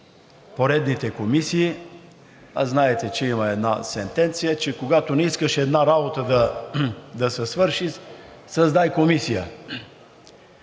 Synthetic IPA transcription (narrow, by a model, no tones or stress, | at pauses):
poɾɛd̪nit̪ɛkomisiː | aznaɛt̪ɛt͡ʃɛimɐɛd̪nasɛnt̪ɛnt̪sijət͡ʃɛkoɡat̪onɛiskəʃɛd̪naɾabot̪əd̪ɐ | d̪ɐsɛsvɤɾʃi | sɐzd̪ajkomisijə